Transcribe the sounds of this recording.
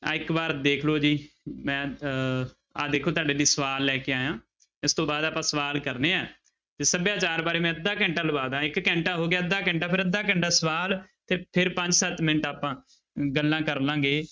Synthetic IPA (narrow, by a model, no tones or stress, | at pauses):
aːɪkbaːɾd̪eːkʰloːd͡ʒiːmɛ̃ː | aːd̪eːkʰoːt̪aːɖeːnĩːsəʋaːlːɛːkeːaːjãː | ɪst̪õːbaːd̪aːpãːsəʋaːlkəɾneːɛː | t̪eːsəbjãːt͡ʃaːɾbaːɾeːmɛ̃ːəd̪ːaːkɛ̃ːɳʈaːləbaːd̪ãːɪkːɛ̃ːɳʈaːɦoːɡɪjaːəd̪ːaːkɛ̃ːɳʈaːpʰɪɾəd̪ːaːkɛ̃ːɳʈaːsəʋaːlt̪eːpʰɪɾpəɲd͡ʒsət̪mɪnəʈaːpãː | ɡəlːãːkəɾlãːɡeː